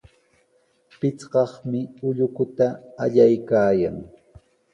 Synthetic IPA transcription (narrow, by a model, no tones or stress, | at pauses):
pɪt͡sɢɑχmɪʊʎʊkʊt̪aːʎajkaːja̰ŋ